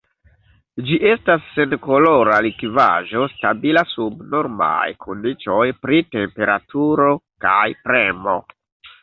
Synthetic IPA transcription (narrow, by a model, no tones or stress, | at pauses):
d͡ʒiʔe̞stasːe̞nko̞lo̞ɾalikva̰ʒo̞stabilasubno̞ɾma̰jkʰondit͡ʃo̞jpɾite̞mpe̞ɾatʰuɾo̞kajpɾe̞mo̞̰